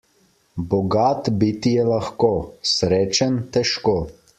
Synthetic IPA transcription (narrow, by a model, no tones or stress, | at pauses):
bɔɡaːt̪bit̪ijɛlaxkoːsɾeːt͡ʃant̪ɛʃkoː